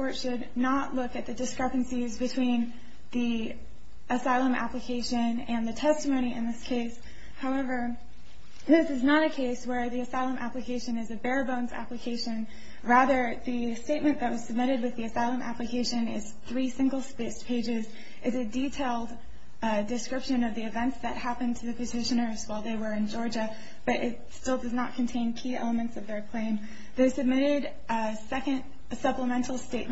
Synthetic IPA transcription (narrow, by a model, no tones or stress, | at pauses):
ɔɹtʃɨdⁿnəʔˡlʊkɨt̪̚ðɨdɨskɹɛpɨ̃n̩sizbɨtʰw̥ĩn | ði | ʔɨsaɪlˠə̃mʔæ̰plɨkʰeɪʃɨ̃nɨ̃nðɨtʰɛstɨmõʊɾ̃iʔɨ̰̃nðɪskʰeɪs | haʊɛvə˞ | ðɪsɨznəɾɨkʰeɪswə˞ðiɨsaɪlˠə̃mʔæ̰plɨkʰeɪʃɨ̃nɨzɨbɛɹbõʊ̃nzæ̰plɨkʰeɪʃɨ̃n | ɹæðə˞ðɨ | steɪt̚mɨ̃nðɨt̚wʌz̥sɨb̚mɪɾɨd̚wɨðiɨsaɪlˠə̃mʔæ̰plɨkʰeɪʃɨ̃nɪ̰z̥θɹisɪ̃ŋɡl̩ˠspeɪspʰeɪd͡ʒɪz | ʔɨzɨditʰeɪlˠd | dɨskɹɪpʃɨ̃nʌvðiɨvɛ̃ntsðɨt̚hæpɨ̃ntʰɨðɨpʰɨtʰɪʃɨ̃nə˞zwaɪlˠðeɪwə˞ɨ̃nd͡ʒɔɹd͡ʒɨ | b̥ʌɾʔɪt̚stɪlˠdʌznət̚kʰɨ̃n̩tʰẽɪ̃nkʰiɛ̰lˠəmɨ̃ntsʌvðə˞kʰl̥ẽɪ̃m | ðeɪsɨb̚mɪɾɪɾ | sɛkɨ̃nd̥ | sʌpləmɛ̃ntʰˡl̩ˠsteɪʔ̚m